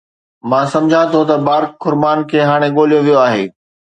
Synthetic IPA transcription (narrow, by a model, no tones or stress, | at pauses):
mãːsɐ̃md͡ʑʱãt̪ʰot̪ɐbaːɾkːʊɾmaːnkʰeːɦaːɽ̃eɠoːlijoʋijoaːɦeː